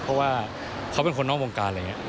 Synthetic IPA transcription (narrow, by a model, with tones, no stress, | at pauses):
pʰɔ˦˥waː˥˩ | kʰa˦˥wpe˧nkʰo˧nːɔː˥˩ŋwoː˧ŋkaː˧lŋi˦˥ʔ